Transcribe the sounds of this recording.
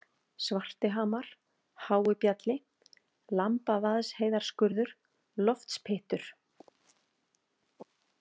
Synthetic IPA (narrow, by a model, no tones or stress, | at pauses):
svar̥t̪ɪɦaːmaɾ̥ | haːwʏpjat̪lɪ | lampavaðsheːjðaɾ̥skʏɾðʏɾ̥ | lɔft̪spʰɪht̪ʏɾ̥